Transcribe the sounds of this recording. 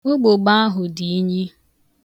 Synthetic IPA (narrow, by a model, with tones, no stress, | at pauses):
o˦ɡ͡bo˨ɡ͡ba˦a˦ɦʊ˨di˨i˦ɲi˦